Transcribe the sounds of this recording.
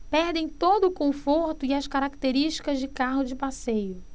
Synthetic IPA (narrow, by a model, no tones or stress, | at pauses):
pɛɾd̪ẽj̃t̪od̪ʊːkõfoɾt̪ʊiɐskaɾak̚t̪eɾiʃt͡ʃi̥kɐzd͡ʒɪkaɦʊd͡ʒɪpasejʊ